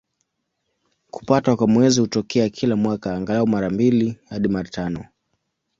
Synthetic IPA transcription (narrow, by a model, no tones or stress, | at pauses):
ku̥patwakwamwɛzihutɔkʰɛakʰilamwakaːŋɡalaɔmaɾambilihaɗimaɾatanɔ